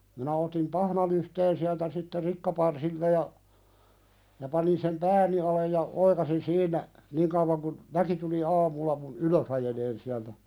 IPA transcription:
minæ otim pɑhnɑlyhteːn siæltæ sitːe rikːɑpɑrsiltɑ jɑ jɑ pɑnin sem pæːni ɑlej jɑ oikɑsin siːnˑæ niːŋ kəuʋɑŋ kun ʋæki tuli ɑːmulːɑ mun yløs ɑjeleːn siæltæ

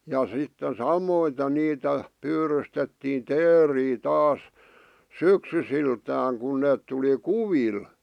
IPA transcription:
jɑ sitːen sɑmoite niːtæ pyːrystetːiːn teːriː tɑːs syksysiltæːŋ kun neːt tuli kuʋil

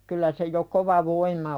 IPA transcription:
kylːæ se jo koʋɑ ʋoimˑɑ

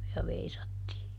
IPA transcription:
jɑ ʋeisɑtːiː

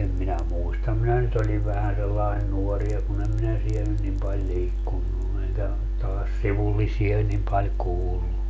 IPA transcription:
em minæ muistɑm minæ nyt olʲiʋ ʋæhæn selːɑin nuɔri jɑ kun em minæ siel nyn nim pɑlʲ liːkːunːu eŋkæ tɑːs siʋulːisiɑ nim pɑlʲ kuːlːu

